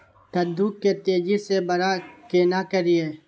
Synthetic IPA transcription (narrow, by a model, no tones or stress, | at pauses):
t̪ɐd̪ʱːukːet̪eːd͡ʒisebɐɾakeːnakəɾieː